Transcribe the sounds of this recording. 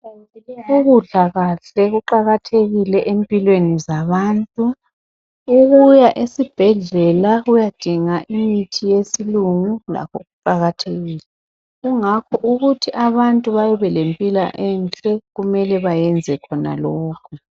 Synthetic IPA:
uɣuɮaɣaɬɛɣuǃaɣatʰeɣilɛʔempʼilwenizaβaːntʼu | uɣujaʔesib̥ʱɛɮɛlaɣujad̥ʱiŋaʔimitʰijesiluŋula̰kʰɔɣuǃaɣatʰeɣiːlɛ | ɣuŋakʰɔʔuɣutʰiʔaβantʼuβajɔβɛlempʼila̰ʔɛnt͡ɬʼɛɣumɛlɛβajɛnd͡zʱɛkʰɔna̰lɔːkʰɔ

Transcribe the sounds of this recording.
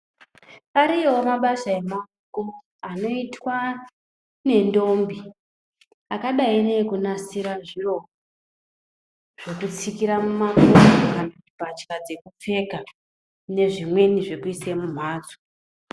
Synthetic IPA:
aɾiomaɓaʃae̞mauko̞ | ano̞itwa | ne̞ndo̞mbi | akaɗainekunasiɾaʐiro̞ | ʐ̥ekut͡sikiɾamumapunokanaubʱat͡ʃkad͡ze̞kup͡fe̞ka | ne̞ʐimwe̞niʐe̞kuisemum̤aːd͡zo

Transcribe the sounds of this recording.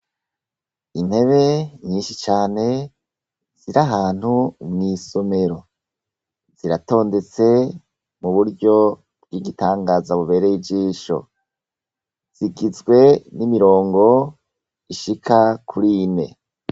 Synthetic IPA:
in̥he̞βe̞ɲiːnʃit͡ʃaːne̞ | z̥iɾaɦaːn̥humŋiːso̞me̞ɾo̞ | z̥iɾato̞ːnde̞t͡se̞ | muβuɾɟo̞ | b̚ɡiɡitaːŋɡaːzaβuβe̞ːɾejibd͡ʒiːʃo̞̰ | z̥iɡizɡwe̞nimiɾo̞ːŋɡo̞ | iʃikʰakʰuɾine̞̰

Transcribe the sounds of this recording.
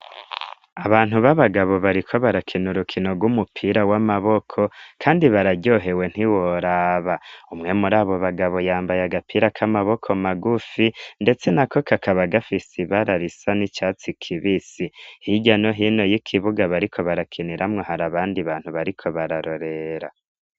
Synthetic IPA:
aβaːn̥huβaβaɡaβo̞βaɾikʰo̞βaɾakʰinuɾukʰino̞ɡwumupʰiɾawamaβo̞kʰo̞kʰaːndiβaɾaɟo̞ɦe̞we̞n̥hiwoɾaːβaumŋe̞muɾaβo̞βaɡaβo̞jaːmbajaɡapʰiːɾakʰamaβo̞kʰo̞maɡufinde̞t͡se̞nakʰo̞kakʰaβaɡafisiβaɾaɾisanit͡ʃaːt͡sikʰiβisihiɟano̞ɦino̞jikʰiβuɡaβaɾikʰo̞βaɾakʰiniɾʔamŋo̞haɾaβaːndiβaːn̥huβaɾikʰo̞βaɾaɾoɾe̞ɾa̰

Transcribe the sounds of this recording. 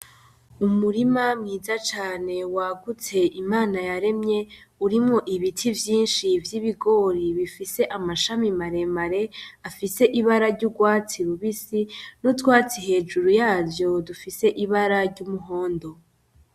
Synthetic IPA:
umuɾimamŋiːzat͡ʃaːne̞waɡut͡se̞ʔimaːnajaɾe̞mɲe̞ | uɾimŋo̞ʔiβitʰivjiːnʃivjiβiɡo̞ɾiβifise̞ʔamaʃamimaɾe̞maɾe̞afise̞ʔiβaɾaɾɟuɡwaːt͡siɾuβisinutwaːt͡siɦe̞ːd͡ʒuɾujaːvjo̞dufise̞ʔiβaɾaɾɟumuɦo̞ːndo̞

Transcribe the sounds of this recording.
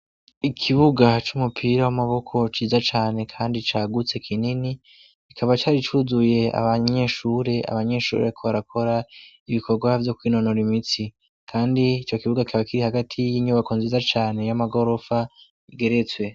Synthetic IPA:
ikʰiβuɡat͡ʃumupʰiɾawamaβo̞kʰo̞t͡ʃiːzat͡ʃaːne̞kʰaːndit͡ʃaːɡut͡se̞kʰinini | ikʰaβat͡ʃaːɾit͡ʃuzuje̞a̰βaɲe̞ʃuːɾe̞a̰βaɲe̞ʃṵːɾekʰo̞βaɾakʰo̞ɾa | iβikʰo̞ɾɡwavjo̞kwiːno̞no̞ɾimit͡si | kʰaːndiːt͡ʃo̞kiβuɡaikʰaβakiɾihaɡatʰijiɲuβakonzizat͡ʃaːne̞jamaɡo̞ɾo̞fa | iɡe̞ɾe̞t͡swe̞

